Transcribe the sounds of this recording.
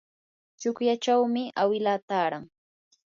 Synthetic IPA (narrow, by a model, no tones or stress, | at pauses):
t͡ʃʊkjat͡ʃawmɪawɪlaːt̪aːɾaŋ